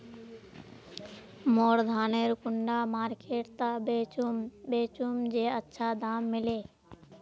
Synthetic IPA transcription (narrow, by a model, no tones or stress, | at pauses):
moːɽd̪ʱaːneːɾkʊɳɖaːmaːɾkeːʈ̚t̪aembeːt͡ʃumd͡ʒeːətːʃʰaːd̪ʱaːmːɪleː